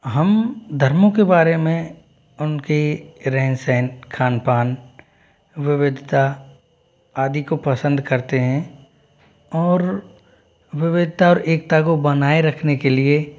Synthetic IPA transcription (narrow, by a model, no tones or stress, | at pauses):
ɦɐmd̪ʱɐɾmõkebaːɾemẽ | ʊnkiɾɛɦnsɛːnkʰaːnpaːn | ʋɪʋɪd̪ʱt̪a | aːd̪ikopɐsə̃nd̪ʱkɐɾt̪eɦɛ̃ | ɔːɾ | ʋɪʋɪd̪ʱt̪aɔːɾeːk̚t̪akobɐnaːeɾɐkʰnekelie